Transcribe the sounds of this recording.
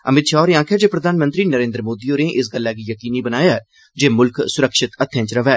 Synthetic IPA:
əmɪt̪ʃaːʊɾãːkʰeːd͡ʒeːpɾəd̪ʱaːnmə̃nt̪ɾiːnəɾẽːnd̪ɾəmoːd̪iːoːneːʔɪs̬ɡəlːɛːkijəkiːniːbənaːjaːɛ | d͡ʒeːmʊlksʊɾəkʃɪt̪ət̪ʰːjãːt͡ʃɾəʋɛː

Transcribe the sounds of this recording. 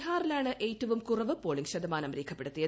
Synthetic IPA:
ɦaːrilaːɳɨʔeːjtːɐʋumkurɐʋɨpoːɭiŋɕɐd̪ɐmaːnɐmriːkʰːɐpːe̞ɽut̪ːijɐ

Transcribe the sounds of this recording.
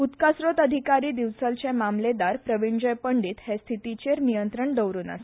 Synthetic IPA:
ut̪kasɾot̪əd̪ʱikaɾiːd̪iʋsəlt͡ɕemamled̪aɾpɾəʋiɳd͡ʑəjpəɳɖiːt̪hest̪ʰit̪it͡ɕeɾnijənt̪ɾəɳɖ̪əwɾuːna̰se̥

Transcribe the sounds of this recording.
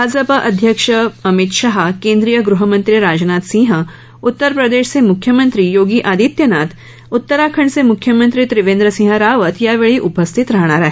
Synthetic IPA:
bʱaːd͡ʒɐpaʔɐd̪ʱjəkʃəɐmɪt̪ʃaɦkẽːnd̪ɾijəɡɾuɦɐmə̃nt̪ɾiɾaːd͡ʒnaːt̪sĩːɦɐ | ʊt̪ːəɾpɾɐd̪eːʃsemʊkʰjəmɐ̃nt̪ɾijoːɡiʔaːd̪it̪jɐnaːt̪ | ʊt̪ːəɾaːkʰəɳ̃semʊkʰjəmə̃nt̪ɾit̪ɾɪʋẽːnd̪ɾəsĩːɦəɾaːʋət̪jaʋeːɭiʔʊpəst̪ʰit̪ɾɐɦɽ̃aːɾɐɦ

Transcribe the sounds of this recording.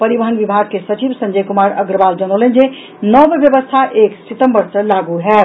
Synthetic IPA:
pəɾibəɦənbibʱaɡ̚kesət͡ʃibsə̃nd͡ʒəjkumaɾəɡɾəbald͡ʒəñolənd͡ʒe | nɔbebjəbəst̪ʰaʔeksit̪əmbəɾsəlaɡuɦɛ

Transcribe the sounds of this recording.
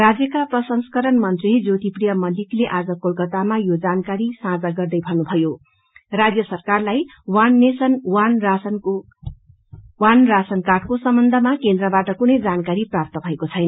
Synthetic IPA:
rad͡zjʌkaprʌsʌnskʌɾʌnmʌnt̪rid͡zot̪iprijʌmʌlikleʔad͡zʌkolkʌt̪amajod͡zankaɾisãd͡zaɡʌrd̪ʌjbʱʌnubʱʌjo | rad͡zjʌsʌrkarlaj | wanːesʌnwansn | wanrasʌnkaʈkosʌmbʌnd̪ʱʌmakend̪rʌbaʈʌkunʌjd͡zankaɾiprap̚t̪ʌbʱʌekot͡sʰʌjnʌ

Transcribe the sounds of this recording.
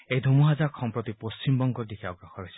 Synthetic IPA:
ejd̪ʱumuɦad͡ʒaxʰɔmpɾot̪ipost͡ʃimbɔŋɡɔɾd̪ikʰiɔɡɾɔxʰɔɾɔjsʰɛ̥

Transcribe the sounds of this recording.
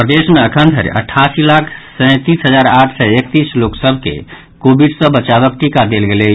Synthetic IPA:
pɾd̪esmeəkʰənd̪ʱə̰ɾ̰ʔə̰ʈʰːasilakʰsə̃j̃t̪isɦəd͡ʒaɾaʈʰsɛek̚t̪isloksəbʱkḛ | kobiɖsə̃bət͡ʃaβək̚ʈikad̪elɡele

